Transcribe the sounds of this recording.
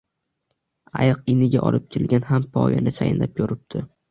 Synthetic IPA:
ajɑqɪnɪɡʲaʔɒ̰lˠɪp̚kʲʰelɡʲanɦampʰɒ̰ja̰nɪt͡ʃʰajɪnlap̚kʰɵɾɪp̚d̪̥ʰɪ

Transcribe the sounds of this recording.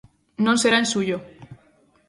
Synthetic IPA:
nõnseɾaensuʝo

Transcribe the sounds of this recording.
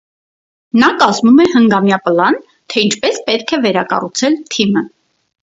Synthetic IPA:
nɑkɑzmumɛhəŋɡɑmjɑpəlɑn | t̪ʰɛint͡ʃʰpɛspɛt̪̚kʰɛvɛɾɑkɑ̰rut͡sʰɛlt̪ʰimə

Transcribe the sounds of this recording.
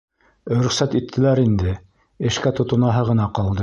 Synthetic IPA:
ɾɵ̆χsæt̪it̪ʰːɘ̆læɾind̪ɘ | ɘ̆ʃkæt̪ŏt̪ŏnɑɦɤʁɤ̆nɑqɑlˠd̪ɤ

